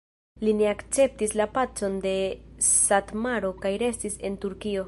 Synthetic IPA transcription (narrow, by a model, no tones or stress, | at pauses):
line̞akt͡se̞p̚tislapat͡so̞nde̞satmaɾo̞kajɾe̞stise̞ntuɾkio̞